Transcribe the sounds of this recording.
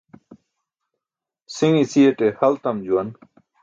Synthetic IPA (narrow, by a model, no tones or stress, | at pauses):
siŋisieʈehɐlt̪ɐmd͡ʑuɐn